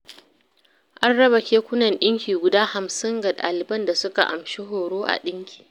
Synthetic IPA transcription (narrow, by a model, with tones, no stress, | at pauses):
ʔa˦nɽɐ˦bɐ˨kʲeː˦kʷʊ˦nɐ˨nɗɪ˦ŋkʲiː˨ɡʷʊ˨daː˦ha˨msɪ˦ŋɡɐ˨ɗa̰ː˨lɪ˨bɐ˦nda˨sʊ˦ka̰˨ʔa̰˨mʃi˦ɦoː˨ɽoː˦ʔa̰˨ɗɪ˦ŋkʲʰi̥ː˨